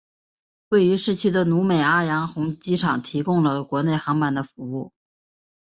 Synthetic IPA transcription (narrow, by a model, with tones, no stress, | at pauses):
we˥˩ɪy˧˥ʂɻ̩˥˩t͡ɕʰy˥d̪ə˨nu˧˥me˨˩ɪa˥˩jɑ˧˥ŋxʊ˧˥ŋt͡ɕi˥ʈ͡ʂʰɑ˨˩ŋt̪ʰi˧˥kʊ˥˧ŋlə˨kwɔ˧˥ne˥˩ɪxɑ˧˥ŋma˨˩nd̪ə˦fu˧˥u˥˩